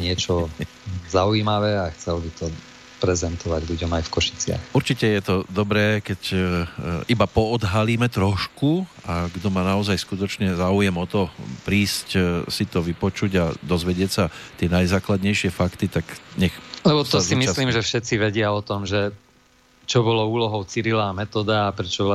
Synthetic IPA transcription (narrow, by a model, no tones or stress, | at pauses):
ɲɪɛt͡ʃɔ | zaujiːmaʋɛaxt͡sɛlbit̪ɔ | pɾɛzɛnt̪ʰɔʋaɟʎuɟɔmajfkɔʃi̥t͡sɪa̰xuɾt͡ʃicɛjɛt̪ɔd̪ɔbɾɛːkɛc | ibapɔɔd̪ɦaliːmɛt̪ɾɔʃku | aɡd̪ɔmaːnaɔzajskut̪ɔt͡ʃɲɛzaːujɛmɔt̪ɔpɾiːscsit̪ɔʋipɔt͡ʃuɟad̪ɔzʋɛɟɪɛcsat̪ɪɛnajzaːklad̪ɲɛjʃɪɛfakt̪it̪aɡɲɛxlɛbɔt̪ɔsimisliːmʒɛfʃɛt͡siʋɛɟɪaɔt̪ɔmʒɛ | t͡ʃɔbɔlɔuːlɔɦɔʊt͡siɾilaːmɛt̪ɔd̪aːpɾɛt͡ʃɔbɔla